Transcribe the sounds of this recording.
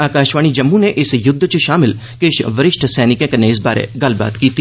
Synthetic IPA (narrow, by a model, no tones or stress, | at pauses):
aːkaːʃʋaːɽ̃id͡ʒɐmːuneʔɪsjʊd̪ʱːt͡ʃʃaːmɪl | keːʃʋɐɾɪʃʈʰsɛːnɪkẽkɐneɪsba̰ːɾḛɡɐlba̰ːt̪kiːt̪ʰi